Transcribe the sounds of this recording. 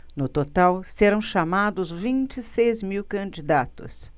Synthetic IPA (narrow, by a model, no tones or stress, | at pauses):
nʊt̪ot̪awseɾɐ̃w̃ʃamad̪ʊzvĩt͡ʃɪsejzmiwkɐ̃d͡ʒid̪at̪ʊ̰s